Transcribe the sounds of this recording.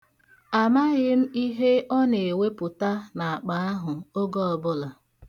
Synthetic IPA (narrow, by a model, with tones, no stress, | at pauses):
a˨ma˦ɣɪ˦m̩˦i˦ɦe˦ɔ˦ne˨e˨we˦pʊ˨ta˦na˨a˨k͡pa˨a˦ɦʊ˨o˦ɡɔ˦ɔ˨bʊ˦la˨